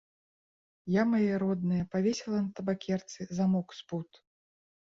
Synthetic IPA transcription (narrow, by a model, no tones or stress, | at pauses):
jamajɛɾɔd̪nɨjɐpavʲesʲɛlˠɐnɐt̪ɐbakʲɛrt̪sɨzamɔksput̪